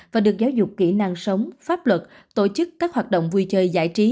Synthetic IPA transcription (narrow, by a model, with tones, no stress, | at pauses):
vaː˨˩ɗɨ˨˩ək̚zaː˨˦wzʊ˨˩k͡pkḭ˧˩na˧ŋsə˨˦wŋ͡mfaː˦˥p̚lwə˨˩t̚ | t̪o̰˧˩t͡ɕɨ˦˥kːaː˦˥k̚hwaː˨˩t̚ɗo̰˧˨wŋ͡mvu˧jt͡ɕəː˧jza̰ː˧˥jt͡ɕi˨˦